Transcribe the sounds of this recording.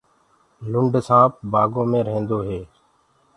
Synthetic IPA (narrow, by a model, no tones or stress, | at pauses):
lʊɳɖsãːp̚baːɡõːmẽːɾẽːnd̪oːɦeː